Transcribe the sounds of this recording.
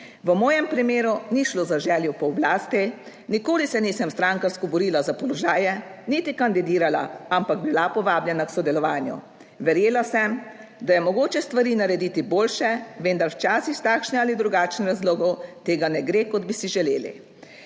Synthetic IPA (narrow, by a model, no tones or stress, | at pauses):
ʋəmɔːjɛmpɾimeːɾuniʃlozaʒɛːljɔpɔblaːst̪i | nikoːlisɛniːsɛmst̪ɾaːŋkaɾskɔbɔɾiːlazapɔlɔʒaːjɛnit̪ikand̪id̪iːɾala̰ampaɡbilapɔʋaːbljɛnaksɔd̪ɛlɔʋaːnjṵ | ʋɛɾjeːlasɛm | d̪ajɛmɔɡoːt͡ʃɛst̪ʋaɾiːnaɾɛd̪iːt̪iboːlʃɛʋend̪aɾwt͡ʃaːsixt̪aːkʃnɛalid̪ɾuɡaːt͡ʃnɾazloːɡɔwt̪eːɡanɛɡɾeːkɔd̪̚bisiʒɛlḛːlḭ